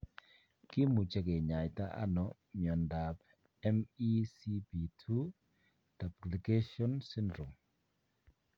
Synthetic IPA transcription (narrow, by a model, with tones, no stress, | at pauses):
kɪ˦mu˨t͡ʃe˨ke˨ɲa˨jta˦ʔa̰˦nɔ˨˦ | mjɔ˨nda˨p | ɛ˦mi˦si˦bi˨tʰu˦ | ta˨pkli˨ke˦ʃɔ˦nsɪ˦ndɾɔ˨m